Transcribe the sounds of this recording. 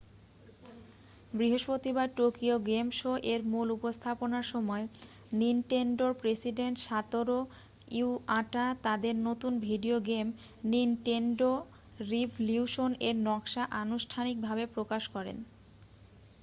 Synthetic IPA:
bɾiɦoʃpɾot̪ibad̪̚ʈokioɡemʃoʔeɾmulupost̪ʰaponaɾʃɔmɔe | ninʈeɳɖoɾpɾesiɖeɳʈʃat̪oɾo | iuaʈat̪ad̪eɾnot̪unbʱiɖioɡem | ninʈeɳɖo | ɾibljuʃoneɾnɔkʃaʔanuʃʈʰanik̚bʱabepɾokaʃkɔɾḛn

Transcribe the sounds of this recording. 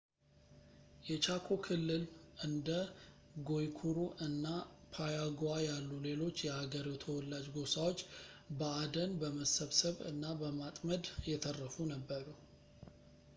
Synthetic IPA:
jɛt͡ʃakʰo̞kʰɨlːɨlɨnd̪ə | ɡo̞jkʰuɾuʔɨnːapʰajaɡajalːule̞lo̞t͡ʃːjɛhaɡəɾiwt̪ʰəwɔlːad͡ʒɡo̞sawo̞t͡ʃːbəad̪ənbəməsəβsəβɨ̰nːabəmat̪ʼməd̪jɛt̪ʰərːəfunəbːəɾu

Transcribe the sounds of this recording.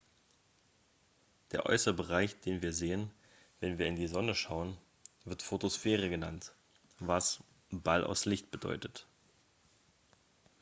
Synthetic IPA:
d̥eːɐʔɔ̰ʏsəbəʁaɪçd̥eːnviːɐzeːən | vɛnviːɐɪndiːzɔnəʃaʊən | vɪɐtfotosfeːʁ̞əɡəna̰nt | vas | b̥alʔa̰ʊslɪçtb̥ədɔ̰ʏtət

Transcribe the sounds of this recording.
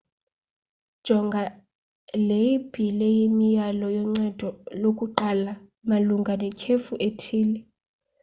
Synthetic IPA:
d̥ʒ̥ʱɔŋɡʱa | lejib̥ʱilɛjimijalɔjɔŋ͡ǀad̥ʱɔlokʼuǃala | maluŋɡʱanɛkʰefuʔetʰiːlɛ

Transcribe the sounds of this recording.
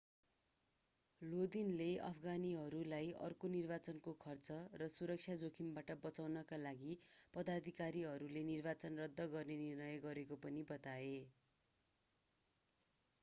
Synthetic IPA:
lod̪inleʌ̰pʰʌɡaniɦʌɾulajʌ̰rkonirbat͡sʌnkokʰʌrt͡sʌrʌsuɾʌk̚t͡sʰjad͡zokʰimbaʈʌbʌt͡sawnʌkalaɡipʌd̪ad̪ʱikaɾiɦʌɾulenirbat͡sʌnrʌd̪ʱːʌɡʌrnenirnʌjʌɡʌɾekopʌnibʌt̪ae

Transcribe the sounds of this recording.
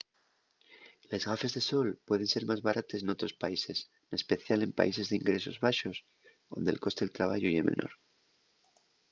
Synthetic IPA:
le̞zɣafe̞zðe̞so̞lpwe̞ðe̞nse̞ɾmazβaɾʔat̪esno̞t̪ɾo̞spaise̞s | ne̞spe̞θjale̞mpa̰is̬e̞zðeiŋɡɾe̞so̞zβaʃo̞s | ðo̞̰nd̪e̞̰lko̞st̪e̞lt̪ɾaβ̞a̰ʝoiemḛnʔo̞̰ɾ

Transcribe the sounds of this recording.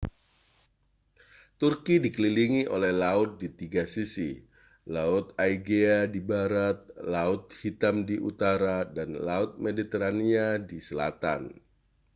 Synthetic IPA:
t̪urkidikəliliŋiʔolɛhlaʊt̪̚dit̪iɡasisi | laʊt̪aiɡeadibaɾat̪̚laʊt̪̚hit̪amdiʔut̪aɾadanlaʊt̪̚medit̪eɾaniadisəla̰t̪a̰n

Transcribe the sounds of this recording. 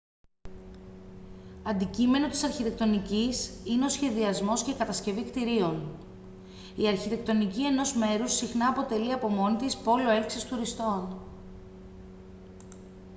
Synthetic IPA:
ɐnd̪icime̞no̞t̪isɐɾçit̪e̞k̚t̪o̞nicisine̞o̞sçe̞ðiɐzmo̞scekɐt̪ɐsce̞vikt̪iɾio̞n | iɐɾçit̪e̞kt̪o̞nicie̞no̞zme̞ɾusːixnɐːpo̞t̪e̞liɐpo̞mo̞nit̪ispo̞lo̞e̞lksist̪uɾist̪o̞n

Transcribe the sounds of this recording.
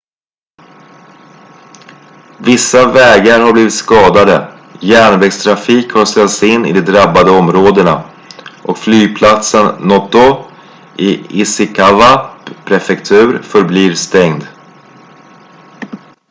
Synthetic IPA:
vɪsːavɛːɡaɾhabliːvɪt̪skɑːd̪ad̪ə | jæːɳvɛɡst̪ʰɾafiːkhasɛlt̪sɪnːɪ̰d̪ɛd̪ɾabːad̪əɔmɾoːd̪əɳa | ʔɔkflyːɡpʰlat̪sənːɔt̪ʊ | ʔɪɪsɪkʰavapʰɾɛfɛkt̪ʰʉ̟ːɾfœɾbliːɾst̪ɛŋd̪

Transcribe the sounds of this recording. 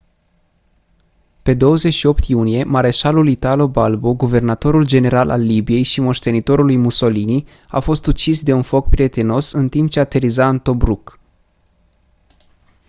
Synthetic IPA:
pe̞d̪o̞wəze̞t͡ʃʃio̞pt̪junije̞maɾe̞ʃalulit̪alo̞balboɡuve̞rnat̪o̞ɾuld͡ʒe̞ne̞ɾalʔa̰lːibije̞jʃimo̞ʃt̪e̞nit̪o̞ɾulujmuso̞lini | a̰fo̞st̪ut͡ʃisd̪e̞unfo̞k̚pɾie̞t̪e̞no̞sɨnt̪imp̚t͡ʃeat̪e̞ɾizaɨnt̪o̞bɾuk

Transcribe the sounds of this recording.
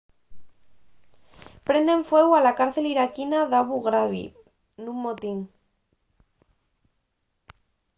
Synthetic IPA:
pɾe̞nd̪e̞ɱfwe̞ɣwalakaɾθe̞liɾakinaðaβuɣɾaβḭ | nũmːot̪iŋ

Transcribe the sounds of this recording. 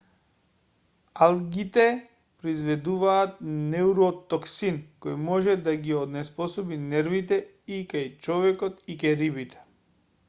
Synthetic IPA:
alˠɡit̪ɛ | pɾɔizvɛd̪uvaːt̪̚nɛuɾɔt̪ɔksinkɔjmɔʒɛd̪aɡiɔd̪nɛspɔsɔbinɛɾvit̪ɛ | ikajt͡ʃɔvɛkɔt̪ikaɾibit̪ɛ̥

